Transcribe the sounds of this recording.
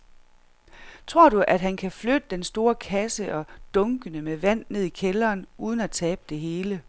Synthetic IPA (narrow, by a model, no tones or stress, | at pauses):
t͡sʰʁo̝ɐ̰ɾ̥uʔæd̥ɦænkʰæflød̥əd̥ensd̥o̝ːɐkʰæsəʔɒ̽d̥ɔ̽ŋɡ̥ənəmeʋæn̰ːe̝ð̞̰ˠikʰelɐːnuːð̞ˠn̩æt͡sʰɛːb̥əd̥e̝ɦe̝ːlə